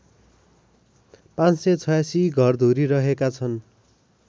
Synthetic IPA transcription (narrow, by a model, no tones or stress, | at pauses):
pãt͡ssʌt͡sʰʌjasiɡʱʌrd̪ʱuɾiɾʌɦekat͡sʰʌn